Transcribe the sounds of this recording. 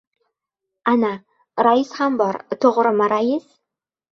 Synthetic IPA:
ana | ɾaɪshambɒɾt̪ʰoʁɾɨmaɾajɪs

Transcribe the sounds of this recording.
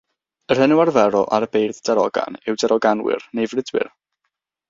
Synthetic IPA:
ər̥hənuarvɛɾɔʔaɾəbejrðd̥ɛɾɔɡa̰nɪwdɛɾʔɔɡanwɪ̰rnejvrɪdwɪ̰r

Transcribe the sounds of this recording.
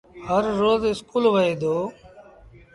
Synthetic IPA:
həɾːoːzɪskuːlʋəɦeːd̪oː

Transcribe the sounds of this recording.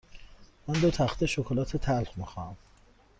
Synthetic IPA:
mænd̪ot̪ʰæxt̪ʰeʃokʰolɒːt̪ʰet̪ʰælxmixɑæm

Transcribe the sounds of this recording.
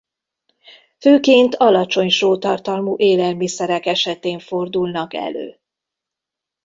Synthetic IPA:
føːkeːnt̪ʰɒlɒt͡ʃo̞ɲʃoːt̪ɒrt̪ɒlmuːʔeːlɛlmisɛɾɛkɛʃɛt̪eːɱfo̞rd̪ulnɒkɛ̰lø̰ː

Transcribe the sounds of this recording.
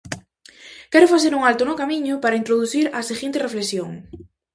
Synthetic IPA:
kɛɾʊfaθeɾuŋalt̪ʊnʊkamiɲʊpaɾaint̪ɾoðuθiɾaseɣint̪erefleksjoŋ

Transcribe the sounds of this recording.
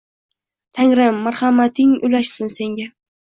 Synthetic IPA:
t̪ʰaŋɾɪmːaɾχamat̪ʰɪŋʊ̰laʃsɪnse̞ŋɡʲa

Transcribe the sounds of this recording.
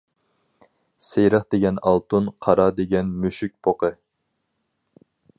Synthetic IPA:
sejɾɑχd̪̥eɡʲɛnɑlˠt̪unqʰɑɾɑd̪eɡʲɛnmyʃyk̚ʲpʰoqə

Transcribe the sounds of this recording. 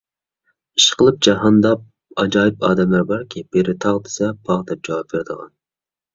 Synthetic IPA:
iʃqəlˠɨp̚d͡ʒɑɦɑnd̪ɑp | ɑd͡ʒɑːjɪpɑːd̪ɛmlæɾbɑɾkʲʰib̥eɾɪt̪ʰɑʁd̪ɪ̥sɛpʰɑʁd̪ɛp̚d͡ʒɑwɑp̚vɪɾd̪əʁɑ̰n

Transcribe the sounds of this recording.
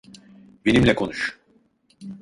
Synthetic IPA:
benimlʲɛkʰo̞nuʃ

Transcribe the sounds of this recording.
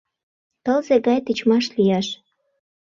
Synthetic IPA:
t̪ɤlzeɣɑjt̪it͡ɕmɑʃlijɑʃ

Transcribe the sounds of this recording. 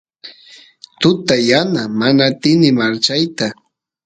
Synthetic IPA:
t̪ʊt̪ajanamanaːt̪ɪnɪmaɾt͡ʃajt̪a

